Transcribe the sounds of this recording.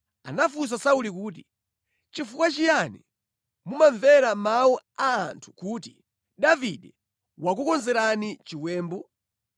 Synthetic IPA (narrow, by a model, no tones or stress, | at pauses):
a̰nafus̬asaulikuːt̬i | t͡ʃifukwat͡ʃijanḭ | mumaɱvɛɾamauaːntʰu̥kuːti | ɗaviɗɛ | wak̬ukɔnzɛɾanit͡ʃiwɛːmbɔ